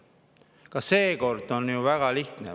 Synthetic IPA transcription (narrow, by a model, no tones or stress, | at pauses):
kɑse̞ːko̞rd̪̥o̞nːjuvæɡ̥ɑliht̪nḛ